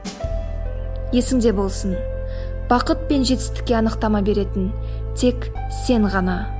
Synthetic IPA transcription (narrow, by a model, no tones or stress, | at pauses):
je̞sɪŋd̪e̞bo̞lˠsən | b̥ɑqət̪̚pe̞nʒe̞t̪ɪ̥st̪ɪ̥kʲːe̞ɑnəqt̪ɑmɑbe̞ɾe̞t̪ɪn | t̪ʰe̞k | se̞ɴʁɑnɑ